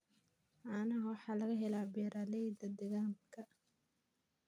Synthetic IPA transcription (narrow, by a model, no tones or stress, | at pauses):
ʔanɐwɑħɑːlɐɣɐɦɛlaːbɛːɾʔaːlɛjd̪ɐd̪ɛɣaːŋkʰɐ